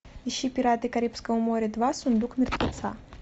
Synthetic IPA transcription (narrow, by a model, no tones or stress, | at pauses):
iɕipʲiɾat̪ɨkaɾʲipskɐumɔɾʲɛd̪vasund̪ukmʲirt̪vʲat̪sa̰